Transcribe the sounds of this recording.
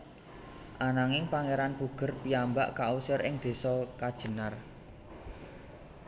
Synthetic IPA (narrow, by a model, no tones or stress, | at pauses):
ʔanaŋɪŋpaŋeɾanpuɡ̥ə̤rpiambaʔkausəɾɪŋd̪̥e̤sɔkad̥ʒ̥ə̤nar